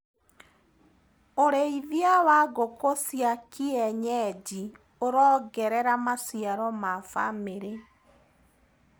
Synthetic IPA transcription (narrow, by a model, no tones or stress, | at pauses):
oɾeiðjawaɣokosjakiɛɲɛd͡ʒi | oɾɔːɡɛɾɛɾamasiaɾɔmafa̰meɾe